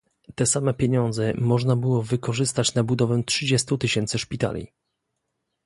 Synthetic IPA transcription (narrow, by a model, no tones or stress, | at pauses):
t̪ɛsamɛpʲjeɲɔnd̪zɛmɔʐnabɘwɔvɘkɔʐɘst̪at͡ɕnabud̪ɔvɛtʂɘd͡ʑɛst̪ut̪ɘɕɛnt̪sɘʂpʲit̪a̰lʲḭ